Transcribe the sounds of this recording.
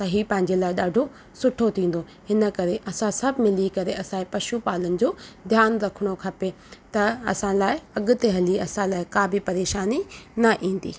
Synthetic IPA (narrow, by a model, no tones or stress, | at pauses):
sɐɦipɐ̃ɦɪ̃ɲd͡ʑelaːɪɗaːɖʱo | sʊʈʰot̪ʰĩːn̆d̪o | hɪnə̆kɐɾeʔɐsãsɐbʱmɪlikɐɾeɐsãepɐʃupaːlənɪ̆d͡ʑoːd̪ʱjaːnɾɐkʰəɽ̃okʰɐpe | t̪ɐɐ̰sãlaːɪɐɠʊ̆t̪eɦɐliɐsãlaːɪkaːbʱipɐɾeːʃaːninɐʔĩːn̆d̪ḭː